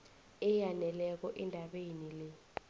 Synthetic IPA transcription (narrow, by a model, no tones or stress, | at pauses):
ɛjanɛlɛk̬ɔʔɛndʱaɓenilɛ